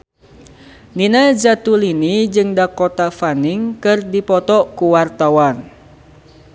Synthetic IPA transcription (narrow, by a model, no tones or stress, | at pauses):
ninad͡ʒat̪ulinid͡ʒɨŋdakɔt̪afaniŋkɨrdipɔt̪ɔkuwart̪awan